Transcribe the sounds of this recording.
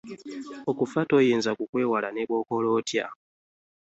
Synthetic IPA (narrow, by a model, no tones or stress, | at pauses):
okufatojiːnzakukwe̞ːwalaneβwo̞ːko̞lotja̰